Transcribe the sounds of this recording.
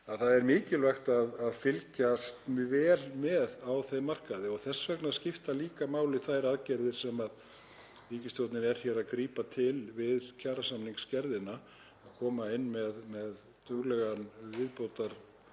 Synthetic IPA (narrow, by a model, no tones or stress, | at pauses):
aðθaðɛɾmɪːcɪlvɛxt̪aðaðfɪlcast̪vɛːlmɛðawθejmar̥kaðɪɔɣθɛsːvœknaðscɪft̪aliːkamaːwlɪθajɾaðcɛɾðɪɾ̥sɛmað | viːcɪsjowt̪nɪnɛɾ̥çɛːɾaðkɾiːpat̪ʰɪlvɪðcʰaːɾasamniŋkscɛɾðɪna | aðkʰɔːmaɪnːmɛðmɛð | t̪ʰʏɣlɛɣanvɪðpowt̪aɾ̥